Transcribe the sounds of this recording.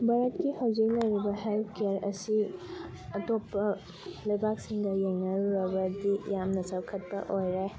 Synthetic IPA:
bʱaɾɐtkihawd͡ʒik̚lɐjɾibɐɦelpʰkeɾɐ̰si | ɐtopːɐ | lɐjbak̚siŋdɐjeŋnɐɾuɾɐbɐdijamnɐsɐwkʰɐt̚pɐʔojɾe

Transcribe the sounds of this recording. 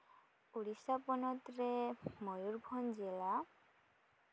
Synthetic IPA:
uɽisapɔnɔt̪ɾemɔjuɾbʱɔnd͡ʒela

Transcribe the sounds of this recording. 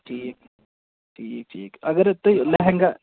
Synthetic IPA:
ʈʰiːk̚ | ʈʰiːk̚ʈʰḭːkɐɡəɾt̪ojleɦeŋɡa

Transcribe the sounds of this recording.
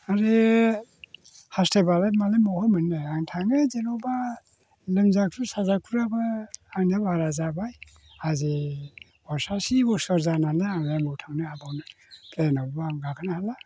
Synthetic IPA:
aɾe | hastebalet̚malemɔhɔmɯnːeaŋtʰaŋɡɯzenɔwba | lɯmzakʰɾusazakʰuɾabaːŋnabaɾazabaj | azi | bɔsasibɔsɔɾzananeaŋemuwtʰaŋnɯabawnɯ | pʰlenɔbbaŋɡakʰɯnahala

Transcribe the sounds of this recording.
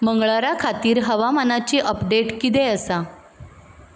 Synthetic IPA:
məŋɡɭaɾakʰat̪iːɾɦəʋamanat͡ɕiːʔəpɖeʈkit̪̬eəsa

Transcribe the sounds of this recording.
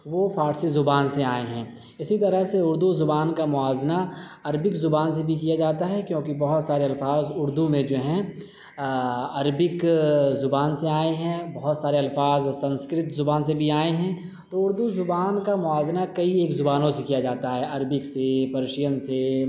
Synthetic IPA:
ʋofʰaːʈsizʊbaːnseaːeɦɛ̃ː | ɪsit̪ɐɾəɦseʊɾd̪uzʊbaːnkamʊaːzna | ɐɾbɪkzʊbaːns̬ebʱikijad͡ʒaːt̪aɦɛkjõːkibɐɦʊt̪saːɾeɐlfaːzʊɾd̪umẽd͡ʒoːɦɛ̃ | ɐɾbɪkzʊbaːnseaːeɦɛ̃bɐɦʊt̪saːɾeɐlfaːzsɐ̃nskɾɪt̪zʊbaːnsebʱiaːeɦɛ̃ | t̪oʊɾd̪uzʊbaːnkamʊaːznakɐieːkzʊbaːnõsekijad͡ʒaːt̪aɦɛʔɐɾbɪksepɐɾʃijənse

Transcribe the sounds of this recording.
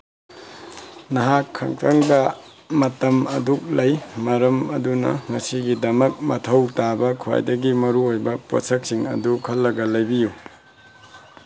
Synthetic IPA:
nɐɦakʰːɐ̰ŋtʰɐŋdɐ | mɐtɐmɐduk̚lɐjmɐɾɐmɐdunɐ̰ŋɐsiɡidɐmɐk̚mɐtʰɐwtabɐkʰuwa̰jdɐɡimɐɾuojbɐpo̰sɐk̚siŋɐ̰dukʰɐlːɐɡɐlɐjbiju

